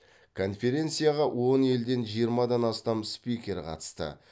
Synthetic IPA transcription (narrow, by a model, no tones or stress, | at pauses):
kʰo̞nfʲe̞ɾʲe̞nt̪sɨijaʁɑwo̞ne̞ld̪e̞nʒijəɾmɑd̪ɑnɑst̪ɑmspijkʲe̞ɾqʰɑ̰t̪ə̥st̪ə̰